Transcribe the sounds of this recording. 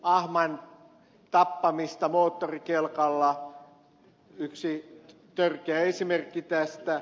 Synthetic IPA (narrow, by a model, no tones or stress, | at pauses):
ɑhmɑn | t̪ɑpːɑmist̪ɑmoːt̪ːorikelkɑlːɑ | yksi | t̪ørkeæesimerkːit̪æst̪æ